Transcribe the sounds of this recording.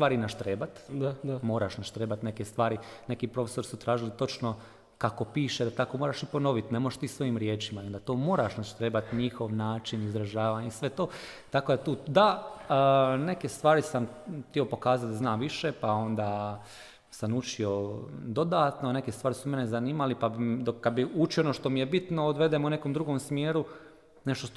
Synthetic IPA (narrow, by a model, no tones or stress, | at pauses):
st̪ʋaːɾinaʃt̪ɾe̞ːbat̪mo̞ːɾaʃnaʃt̪ɾe̞ːbat̪neke̞st̪ʋaːɾine̞kipɾo̞feso̞ɾisut̪ɾaːʒilit̪o̞t͡ʃno̞ | kako̞piːʃed̪at̪ako̞moːɾaʃipo̞no̞ʋit̪ne̞mojeʃt̪iːsʋo̞jimɾje̞ːt͡ʃimaiond̪at̪o̞ːmo̞ːɾaʃnaʃt̪ɾeːbat̪ɲixo̞ʋnaːt͡ʃinizɾaʒaːʋaːɲeisʋe̞t̪o̞ː | t̪ako̞d̪at̪uːd̪a | ne̞ke̞st̪ʋaːɾisamt̪io̞po̞kaːzat̪d̪aznaːmʋiʃe̞pao̞nd̪aː | sanut͡ʃio̞d̪o̞d̪aːt̪none̞ke̞st̪ʋaːɾisume̞nezaniːmalipabid̪okːad̪biut͡ʃioonoʃt̪o̞mije̞bit̪no̞od̪ʋe̞d̪eːmune̞ko̞ːmd̪ɾuɡo̞msmjeːɾu | ne̞ʃt̪o